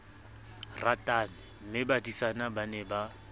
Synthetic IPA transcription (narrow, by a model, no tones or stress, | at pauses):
ratʼanɪm̩mɪbadisanabanɛba